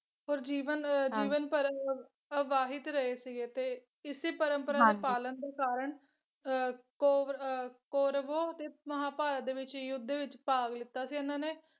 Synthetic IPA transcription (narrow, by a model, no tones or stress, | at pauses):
ɦoːɾd͡ʒiːʋənd͡ʒiːʋənpəɾ | ʋaːɦɪt̪ɾəeːsɪɡeːt̪eː | ɪseːpəɾəmpəɾaːd̪eːpaːlənd̪eːkaːɾəɳ | koːkoːɾʋoːət̪eːməɦaːpaːɾaːd̪eːʋɪt͡ʃjʊd̪ːeːʋɪt͡ʃpaːɡlɪt̪ːaːsiːɪnãːneː